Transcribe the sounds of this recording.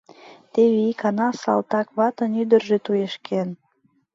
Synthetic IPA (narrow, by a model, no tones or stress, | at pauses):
t̪eβeikɑnɑsɑ̰lt̪ɑkβɑt̪ənyd̪ərʒet̪ujeʃkʰen